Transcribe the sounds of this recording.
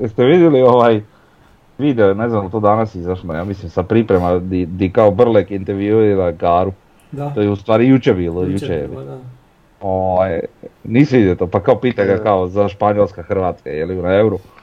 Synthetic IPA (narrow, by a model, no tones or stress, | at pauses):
st̪eʋid̪jelioʋaj | ʋid̪eonezand̪lt̪od̪anasizaʃmojaːmislimsapɾipɾemad̪id̪ikaobr̩lekint̪eɾʋjuuinakaːɾu | tt̪ojeust̪ʋaːɾijut͡ʃebiːlojut͡ʃejḛlḭ | oʋajniːseʋid̪jelt̪opakaopiːt̪aɡakaozaʃpaɲolˠskaxr̩ʋaːt̪ska̰jeliunaevɾu